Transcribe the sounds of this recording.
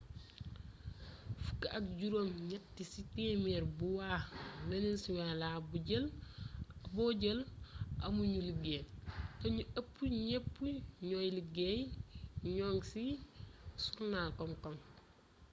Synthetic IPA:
fu̥kːaʔɐk̚ɟuɾoːmɲɐtːisiteːmɛːɾbuwameninsiwalabuɟəl | bɔɟəlʔɐmuɲuliɡeːtɐɲuɐpːuɲepːuɲɔjliɡeːjɲɔːŋsi | suɾnaːlkɔmkɔm

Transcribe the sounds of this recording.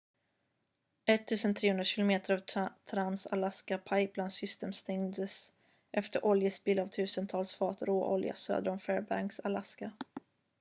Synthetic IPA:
ɛt̪ʰːʉ̟ːsənt̪ʰɾeːhɵnd̪ɾaɕɪlʊmeːt̪əɾɑvt̪ʰɾansa̰laskapʰajblansʏst̪eːmst̪ɛŋd̪əs | ʔɛft̪əɾʔɔljəsbiːlavt̪ʰʉ̟ːsənt̪ʰɑːlsfɑːt̪ɾoːʔɔ̰lja̰sø̰ːd̪əɾɔmfɛːɾba̰ŋksalaska

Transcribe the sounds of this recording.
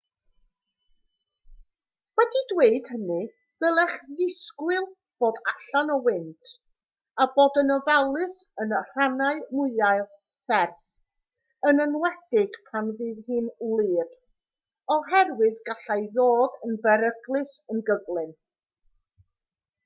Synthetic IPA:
wɛdidweɨd̥hənɨ | ðəlˠɛχðɪskwɪlˠ | b̥oːdaɬanɔwɪntʰ | aboːdənəvalˠɨsənər̥anaɨmʊɨaɨlˠ | sɛrθ | ənənwɛdɪɡ̥pʰanvɨːðhɨːnlˠɪːb̥ | ɔɦɛrwɨðɡaɬajjoːdənbɛɾəɡlˠɨsənɡəvlˠɨn

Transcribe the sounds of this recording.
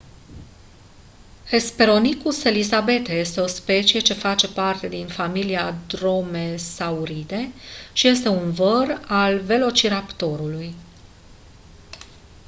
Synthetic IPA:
he̞spe̞ɾo̞nikuse̞lizabe̞t̪eje̞st̪e̞o̞spe̞t͡ʃie̞t͡ʃe̞fat͡ʃe̞part̪e̞d̪infamiliad̪ɾo̞me̞sauɾid̪e̞ʃije̞st̪e̞unvəralve̞lo̞t͡ʃiɾapt̪o̞ɾuluj

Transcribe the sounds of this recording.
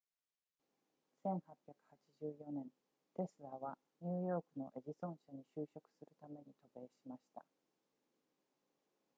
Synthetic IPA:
sẽ̞ɰ̃hapʲjakɯ̟̥hat͡ɕiʑɨːjo̞nẽ̞n | t̪e̞sɨɾaβa | ɲ̟ɨːjo̞ːkɯ̟no̞̰ʔe̞ʑisõ̞ɰ̃ɕaɲ̟iɕɨːɕo̞kɯ̥sɨɾɯ̟t̪ame̞ɲ̟it̪o̞be̞ːɕimaɕi̥t̪a̰

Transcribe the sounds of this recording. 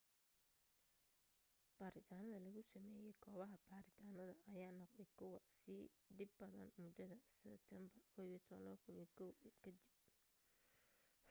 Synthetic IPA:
b̥aːɾɪt̪ʰaːnɐðɐlɐɣʊsɐmɛːjɛjkʰɔːβɐɦɐb̥aːɾɪt̪ʰaːnɐðɐʔɐjaːnɔqd̪ɛjkʰʊwɑsɪɖɪbːɐðɐ̰nmʊd̪ɐðɐsɛbt̪ʰɛmbɐrkʰɔːijt̪ʰɔðɐ̰lɐ̰βɐkʰʊnijɐkʰɔwkʰɐd̪ɪb̚

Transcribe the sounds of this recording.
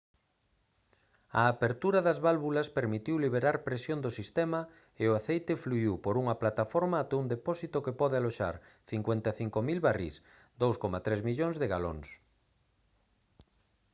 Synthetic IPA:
ɐ̰ːpeɾt̪uɾɐðazβalβulɐspeɾmit̪iwliβ̞eɾaɾpɾesjond̪osist̪ɛmɐ | eʊaθejt̪ɪfluiwpoɾuŋɐplat̪afɔɾmaat̪ɛund̪epɔsit̪okepɔðɪaloʃa̰ɾθiŋkwent̪aθiŋkomilβarḭs | d̪owskomat̪ɾezmiʎoŋzðeɣalo̰ŋs

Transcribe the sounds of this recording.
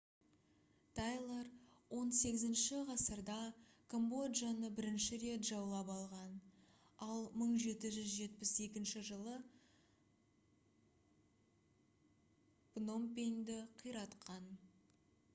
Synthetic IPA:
t̪ʰɑjlˠaɾwo̞nse̞ɡʲɪzɪnʃɪʁɑsəɾd̪ɑ | kʰombo̞d̪ʒɑnəbɪɾɪnʃɪɾet̪ʒɑwlˠɑpɑlˠʁɑn | ɑlˠməɴʒe̞t̪ɪʒʏzʒe̞t̪pɪse̞kʲɪnʃɪʒəlˠə | b̥no̞mpʲeŋd̪ɪqʰəjɾɑt̪qʰɑn

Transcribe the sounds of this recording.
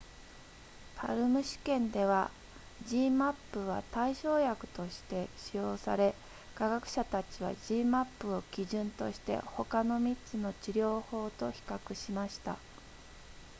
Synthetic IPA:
pʰa̰ɾɯ̟mɯ̟ɕi̥kẽ̞nd̪e̞β̞a | d͡ʑiːmapːɯ̟β̞a̰t̪aiɕo̞ːjakɯ̟̥t̪o̞ɕi̥t̪e̞ɕijo̞ːsa̰ɾe̞ | kaɡakɯ̟̥ɕat̪at͡ɕiβ̞a̰ʑiːmapːɯ̟o̞kʲiʑɨ̃nt̪o̞ɕi̥t̪e̞̰ho̞kano̞mʲit͡sɨno̞t͡ɕiɾʲjo̞ːho̞ːt̪o̞çi̥kakɯ̟ɕimaɕi̥t̪a

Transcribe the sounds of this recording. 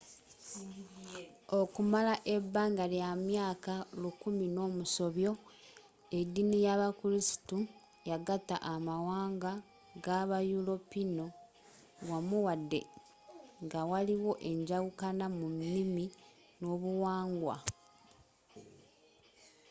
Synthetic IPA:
okumalaʔe̞bːaːŋɡaljamjaːkalukumino̞ːmuso̞βjo̞ | edːinijaβakuɾisi̥tu | jaɡata̰ʔamawaːŋɡa | ɡaβajulo̞pino̞ | wamuwadːe̞̰ | ŋɡawaliwo̞ʔe̞ɲɟaɣukanamunːimi | no̞ːβuwaːŋɡwa̰

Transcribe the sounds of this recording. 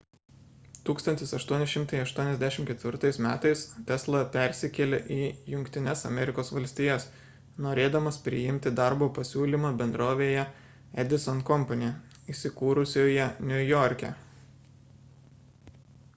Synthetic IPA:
t̪uːkst̪ɐnʲt̪ʲɪsɐʃt̪uɔnʲɪʃʲɪmt̪ɐɪɐʃt̪uɔnʲɛzd̪ʲæʃʲɪmkʲɛt̪ʲʋʲɪɾt̪ɐɪsmʲæːt̪ɐɪst̪ʲɛslˠɐpʲɛˑɾʲsʲɪkʲɛlʲeʔiːjʊŋʲkʲt̪ʲɪnʲɛsɐ̰mʲɛɾʲɪkoːsʋɐlʲsʲt̪ʲɪjɛs | noːɾʲeːd̪ɐmɐspʲɾʲɪjɪmʲt̪ʲɪd̪ɑˑɾboːpɐsʲuːlʲimɑːbʲɛnd̪ɾoːʋʲeːjɛ | ɛd̪ʲɪsɔnkɔmpɐnʲe | isʲɪkuːɾʊsʲoːjɛnʲʊjɔɾʲkʲɛ̰

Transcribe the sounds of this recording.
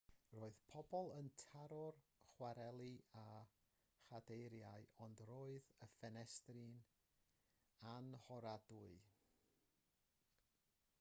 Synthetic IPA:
roːɨð̥pʰɔbɔlˠəntʰaɾɔrχwaɾɛlˠia | χadejɾjaɨɔndroːɨðəfɛnɛstrɪn | anhɔɾadʊɨ

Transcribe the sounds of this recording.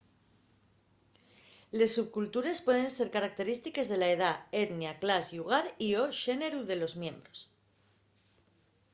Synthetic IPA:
le̞sːuβkult̪uɾe̞spwe̞ð̞e̞nse̞ɾkaɾak̚t̪e̞ɾist̪ike̞zðe̞lae̞ð̞ae̞t̪njaklazjuɣ̞aɾioʃe̞ne̞ɾuðe̞lo̞zmjẽ̞mbɾo̞s

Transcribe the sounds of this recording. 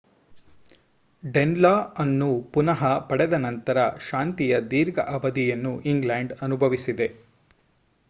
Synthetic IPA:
ɖenlaːɐnːupunɐɦɐpɐɽɛd̪ɐnɐnt̪ɐɾɐʃaːnt̪ijɐd̪iːɾɡɐ̰ʔɐʋɐd̪ijɐnːuʔiŋɡlaːɳɖɐnubʱɐʋisid̪e̞

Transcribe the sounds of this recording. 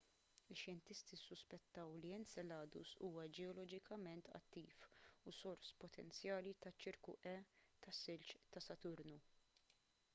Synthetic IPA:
ɪʃjɛnt̪ɪst̪isːʊspɛt̪ːɐwliɛnsɛlɐːd̪ṵsuːwɐd͡ʒɛɔlɔd͡ʒɪkʰɐmɛnt̪ʰɐ̰t̪ːiːfusɔɾspɔt̪ʰɛnt͡sjɐːlit̪ɐt͡ʃːɪɾkṵʔɛt̪ɐsːɪlt͡ʃt̪ɐsɐt̪ʊɾnu

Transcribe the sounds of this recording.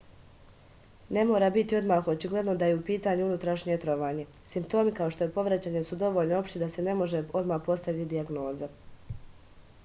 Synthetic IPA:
ne̞mo̞ːɾaːbit̪io̞d̪maːxot͡ʃiɡle̞d̪no̞d̪ajeupiːt̪aːɲuunut̪ɾaʃɲie̞t̪ɾo̞ʋaːɲe̞ | simpt̪o̞ːmikao̞ʃt̪o̞je̞po̞ʋɾat͡ɕaːɲesud̪o̞ʋo̞ːʎnoo̞pʃt̪id̪ase̞ne̞mo̞ʒe̞o̞d̪maːxpo̞st̪aʋit̪id̪iaɡno̞ːza

